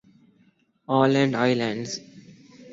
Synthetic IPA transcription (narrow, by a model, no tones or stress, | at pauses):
ɔːlɛ̃ɳɖaɪlãɳɖz